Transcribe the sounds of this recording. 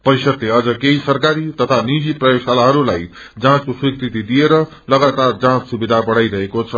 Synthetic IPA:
pʌjsʌt̪leʌd͡zʌkejsʌrkaɾit̪ʌt̪ʰanid͡ziprʌjosalaɦʌɾulaj | d͡zãt͡skoswikɾit̪id̪ijeɾʌ | lʌɡat̪ard͡zãt͡ssubid̪ʱabʌɽajɾʌɦekot͡sʰʌ

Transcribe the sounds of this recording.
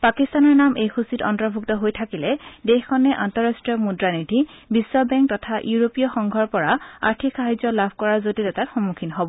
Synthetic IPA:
pakistanɔɹnamʔejxusitɔ̰ntɔbʱuktɔɦojtʰakilɛdexkʰɔnɛʔantɔɹastɹijɔmudɹanidʱibisːɔbɛŋk̚tɔtʰaʔjuɹopijɔxɔŋɡʱɔɹpɔɹaa̰ɹtʰikxaɦazɔlabʱkɔɹaɹzotitɛtatxɔmukʰinɦobɔ

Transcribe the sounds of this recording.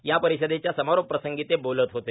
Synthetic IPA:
japəɾisəd̪et͡ɕjasəmaɾopːɾəsəŋɡit̪ebolət̪ɦot̪e

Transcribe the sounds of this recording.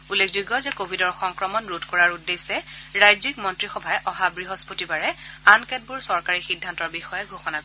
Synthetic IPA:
ulːekʰzuɡɔzɛkobʱidɔɹxɔŋkɹɔmɔnɹutkɔɹaɹudːesɛɹajzik̚mɔntɹixɔbʱajɛʔɔɦabɹiɦɔspotibaɹɛankɛt̚bʊɹsɔɹkaɹixidʱːantɔɹbixɔjɛɡʱoxɔnakoɛ

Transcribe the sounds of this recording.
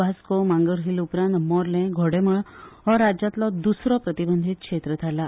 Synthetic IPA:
askomãŋɡəɾɦilupɾãnt̪mɔɾlẽɡʱɔɽeməɭɔɾad͡ʒat̪lɔd̪usɾɔpɾət̪ibənd̪ʱit̪̚kʃʰet̪ɾət̪ʰala

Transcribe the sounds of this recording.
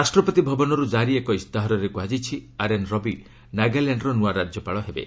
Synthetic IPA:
ɾasʈɾɔpɔt̪ibʱɔbɔnɔɾud͡ʒaɾiekɔist̪aɦɔɾɔɾekuɦad͡ʒit͡ʃʰiaɾenɾɔbi | naɡaleɳɖɾɔnuaɾad͡ʒjɔpaɭɔɦebḛ

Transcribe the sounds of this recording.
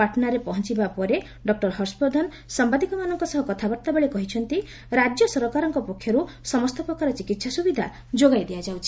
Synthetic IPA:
paʈɔnaɾepɔɦɔnt͡ʃibapɔɾe | ɖɔk̚ʈɔɾɦɔɾspɔd̪ʱɔn | sambad̪ikɔmanɔŋkɔsɔɦɔkɔt̪ʰabɔɾt̪abeɭekɔɦit͡ʃʰɔnt̪i | ɾad͡ʒjɔsɔɾɔkaɾɔŋkɔpɔkʰjɔɾusɔmɔst̪ʰɔpɾɔkaɾɔt͡ʃikit̪sasubid̪ʱa | d͡ʒoɡajd̪ead͡ʒawt͡ʃʰi̥

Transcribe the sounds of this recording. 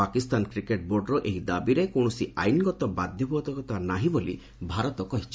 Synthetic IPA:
akist̪ankɾikeʈ̚boɾɖɾɔʔeɦid̪abiɾekõɔsia̰jnɡɔt̪ɔbad̪ʱjɔbʱɔt̪ɔkɔt̪anaɦibolḭ | bʱaɾɔt̪ɔkɔɦit͡ʃʰ

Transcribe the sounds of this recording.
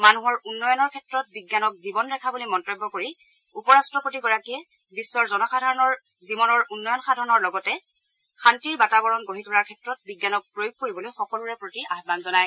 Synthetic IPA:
manuɦɔɹunːɔjɔnɔɹkʰɛtɹɔt̚biɡjanɔkzibɔnɹɛkʰabulimɔntɔbːɔkoɹi | upɔɹastɹɔpotiɡɔɹakiɛ | bisːɔɹzɔnɔxadʱaɹɔnɔɹ | zibɔnɔɹunːɔjɔnxadʱaɹɔnɔɹlɔɡɔtɛ | xantiɹbatabɔɹɔnɡoɦitʰɔɹaɹkʰɛtɹɔt̚biɡjanɔk̚pɹojuɡ̚koɹibɔlojxɔkɔluɹɛpɹotiatbanzɔnaj

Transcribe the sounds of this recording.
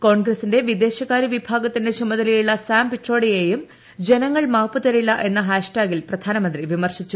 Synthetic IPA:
ko̞ːɳɡrɐsinde̞ʋid̪e̞ːɕɐkːaːɾiʋibʱaːɡɐt̪ːindet͡ɕumɐðɐlijuɭːɐsaːmpiʈro̞ːɽije̞ːjum | d͡ʑe̞nɐŋːɐɭmaːpːɨt̪ɐɾilːɐʔe̞nːɐɦaːʂʈaːɡilprɐd̪ʱaːnɐmɐnd̪riʋimɐrɕit͡ɕːu

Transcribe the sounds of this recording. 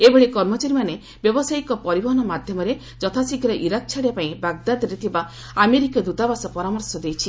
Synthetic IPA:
ebeɭekɔɾmɔt͡ʃaɾimane | bjɔbɔsaikɔpɔɾibɔɦɔnɔmad̪ʱjɔmɔɾe | d͡ʒɔt̪ʰasikʰɾɔʔiɾak̚t͡ʃʰaɽepaĩbaɡ̚d̪ad̪ɾet̪ʰiba | ameɾikid̪ut̪abasɔpɔɾamɔɾsɔd̪ejt͡ʃʰi

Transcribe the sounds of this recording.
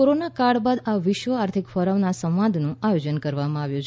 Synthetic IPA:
oɾonakaɽbad̪aʋɪʃʋəaɾt̪ʰikfəɾəʋnasə̃wʋãnd̪ʱnũajod͡ʒənkəɾʋamãaʋjũt͡ʃʰ

